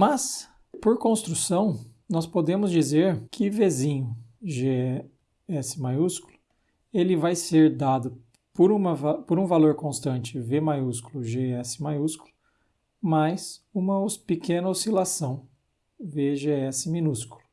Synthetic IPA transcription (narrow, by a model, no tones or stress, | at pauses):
mɐs | poɾkõst̪ɾusɐ̃w̃ | nɔspod̪ẽmʊzd͡ʒizeɾkʰɪvezĩɲʊʒe | ɛsɪmajuskulʊ̥ | elɪvajseɾd̪ad̪ʊ | poɾũmɐvapoɾũvaloɾkõst̪ɐ̃nt͡ʃɪvemajuskulʊʒeɛsɪ̥majusku̥lʊ | majsũmɐospɪkẽnɐosilasɐ̃w̃ | veʒeɛsɪmĩnuskulʊ̥